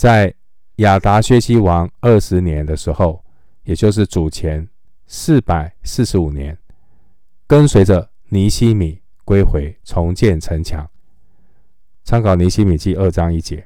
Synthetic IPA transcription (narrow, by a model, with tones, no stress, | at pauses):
t͡sa˥˩ɪ | ja˨˩t̪a˧˥ɕɥɛ˥ɕi˥wɑ˧˥˦ŋə˥˩ʂɻ̩˧˥njɛ˧˦nd̪ə˧ʂɻ̩˧˥xo˥˩ʊ | jɛ˨˩t͡ɕjo˥˧ʊʂ̬ɻ̩˥˩t͡su˨˩t͡ɕʰjɛ˧˦n | sɹ̩˥˩pa˨˩ɪsɹ̩˥˩ʂɻ̩˧˥u˨˩njɛ˧˦n | kə˦˥nswe˧˥ɪʈ͡ʂə˨ | ni˧˥ɕi˥mi˨˩˦ | kwe˥ɪxwe˧˥ɪt͡sʰʊ˧˥ŋt͡ɕjɛ˥˨nʈ͡ʂʰə˧˥ŋt͡ɕʰjɑ̰˧˥ŋ | t͡sʰɑ˧˥ŋkɑ˨˩ʊni˧˥ɕi˥mi˨˩t͡ɕi˥˧ə˥˧ʈ͡ʂɑ˥ŋi˥t͡ɕjɛ˧˦